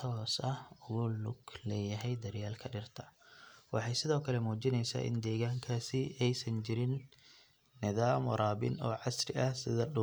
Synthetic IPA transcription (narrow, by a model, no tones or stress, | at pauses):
t̪ʰɔːsɐhʊɣʊlʊɡlɛːjɐɦɛjd̪ɐrjaːlkʰɐɖɪrt̪ʰɐ̥wɑħɑjsɪðɔːkʰɐlɛmuːt͡ʃɪnɛjsa̰ːʔɪ̰nd̪ɛːɣaːŋkʰaːsɪɛjsɐnt͡ʃɪɾɪnː | ɪðaːmɔɾaːbɪ̰nɔːʕɑsɾɪʔɐhsɪðɐɗʊ